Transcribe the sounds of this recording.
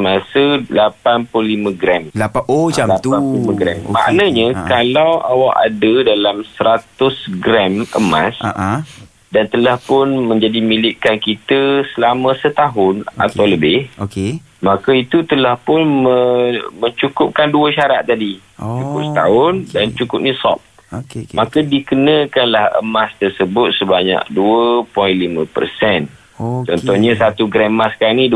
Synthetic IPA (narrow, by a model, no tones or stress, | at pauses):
əmãsəlapanpʊlimə̃ɡɾɛm | latanpulimə̃ɡɾɛmːa̰ʔnaɲãkalawawaʔa̰dədalamsəɾat̪ʊsɡɾɛmə̰mã̰sa | dant̪əlahpʊnmə̃ɲd͡ʒadimilɪʔkankit̪əsəlamə̃sət̪aɦʊna̰t̪awləbɪhoke | makait̪ut̪əlahpʊnməməɲt͡ʃukʊp̚kanduəʃaɾat̪̚t̪ːadit͡ʃukʊp̚sə̥t̪aʊndant͡ʃukʊp̚nĩsɔ̰p̚ | makədikənəkanlahə̰mast̪ərsəbʊt̪̚səbaɲa̰k̚duəpɔinlimə̃pə̰rsɛn | t͡ʃɔnt̪ɔhɲãsat̪uɡɾɛmasə̥kaɾaŋni